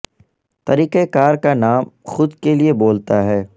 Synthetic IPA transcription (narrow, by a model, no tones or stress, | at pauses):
t̪ɐɾiːqekaːɾkanaːmxʊd̪kelieboːlt̪aɦɛː